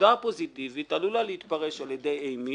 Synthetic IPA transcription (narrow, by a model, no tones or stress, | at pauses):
apo̞zit̪ivit̪alulaleit̪paʁeʃaljed̪ejejmi